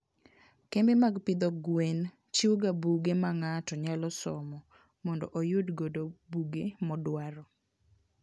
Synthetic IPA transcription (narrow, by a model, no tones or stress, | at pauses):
kembemaɡpɪd̪ɔɡwen | t͡ʃiuɡabuɡemaŋatɔɲalɔsɔmɔ | mɔndɔʔojʊdɡodobuɡemɔdwaɾɔ